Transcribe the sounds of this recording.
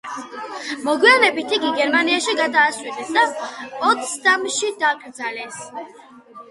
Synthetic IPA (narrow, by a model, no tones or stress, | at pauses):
mɔɡwianɛbit̪ʰikʼiɡɛɾmaniaʃiɡad̪aːsʼwid̪ɛsd̪apʼɔt̪st̪amʃid̪akʼɾd̪zalɛs